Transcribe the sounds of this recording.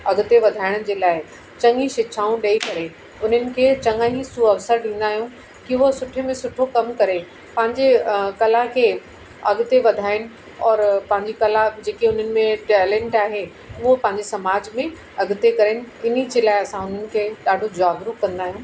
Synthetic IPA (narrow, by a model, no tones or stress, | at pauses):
ɐɡʊt̪eʋɐd̪ʱaːɪɽ̃ʊd͡ʑeːlaːɪ | t͡ɕɐ̃ŋĩʃɪt͡ʃʰaːũɗɐikɐɾe | ʊn̤ənɪ̆kʰeːt͡ɕɐ̃ŋaːɦĩsuɐʋsəɾɗĩːn̆d̪aːɦijũː | kiʊɦosʊʈʰmẽsʊʈʰokɐmkɐɾe | pɐ̃ɦɪ̃ɲd͡ʑekɐlakʰeː | ɐɡʊt̪eʋɐd̪ʱaːɪɽ̃nɪ̆ | ɔːɾpɐ̃ɦɪ̃ɲd͡ʑikɐlad͡ʑeːkiʊn̤ənɪ̆mẽʈɛːlɛ̃ːɳʈaːɦe | ʊɦopɐ̃ɦɪ̃ɲd͡ʑesɐmaːd͡ʑmẽ | ɐɡt̪ekɐɾenɪ̆ɪnid͡ʑeːlaːɪɐsãʊn̤ənɪ̆kʰeːɗaːɖʱod͡ʑʊaːɡɾukɐ̃nd̪aːɦijũː